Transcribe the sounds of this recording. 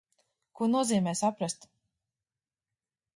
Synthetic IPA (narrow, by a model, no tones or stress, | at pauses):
kuɔnuɔziːmɛːsapɾast̪